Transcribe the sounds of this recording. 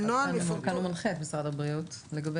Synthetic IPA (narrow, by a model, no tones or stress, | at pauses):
noakanumalχetmisʁadhabʁiutleɡabe